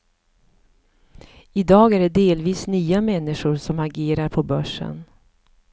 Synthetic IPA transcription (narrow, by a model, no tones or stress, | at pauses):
ɪd̪ɑːɡæɖɛd̪eːlviːsnyːamɛnːɪʂʊɾsɔmaɡeːɾaɾpʰɔbœʂːə̰n